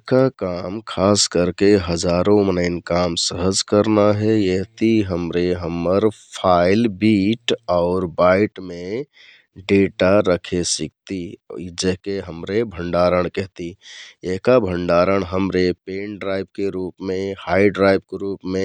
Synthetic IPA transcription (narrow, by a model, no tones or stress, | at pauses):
kakamkʰaskəɾkeɦəd͡ʒaɾõmənəɪnkamsəɦəd͡ʒkəɾnaɦɛjeɦt̪iɦəmɾeɦəməɾpʰaɪlbiʈɔʊɾbaɪʈmẽ | ɖeʈaɾəkʰesik̚t̪id͡ʒeɦkeɦəmɾebʱəɳɖaɾəɳ̃kɛɦt̪ieɦkabʱəɳɖaɾəɽ̃ɦəmɾepeːnɖɾaɪb̚keɾupmẽhaɪɖɾaɪb̚keɾuːpmẽ